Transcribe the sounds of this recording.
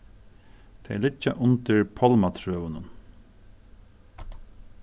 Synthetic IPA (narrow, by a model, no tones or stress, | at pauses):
t̪ʰɛlɪt͡ʃːaʔʊnt̪ɪɹpʰɔlmat̪ʰɾœːʋʊnʊn